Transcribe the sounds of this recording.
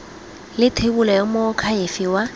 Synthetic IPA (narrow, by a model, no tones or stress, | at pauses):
lɪtʰebulɔjɔmʊkʰaefɪwa